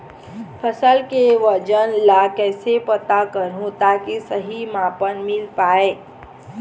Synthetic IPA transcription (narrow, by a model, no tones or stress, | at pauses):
pʰəsəlkeʋəd͡ʒənlakɛːsepət̪akəɾɦũt̪akisəɦimãpənmɪlpaːe